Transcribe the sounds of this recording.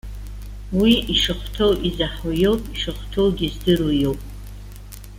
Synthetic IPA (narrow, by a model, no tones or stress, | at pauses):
wiiʂɨχʷtʰowʔizaħajowpʼiʂɨχʷtʰowɡʲizdɨɾujowpʼ